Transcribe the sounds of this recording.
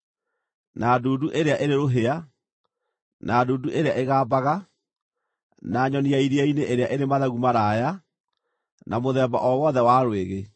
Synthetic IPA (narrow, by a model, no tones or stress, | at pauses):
nadoːduʔeɾeaʔeɾeɾoɦea | nʔaːdoːduʔeɾeaʔeɣaːbaɣa | naːɲɔniaiɾiaineʔeɾeaʔeɾemaðaɣumaɾaːja | nʔamoðɛːba̰ʔɔwɔðɛwaɾweɣe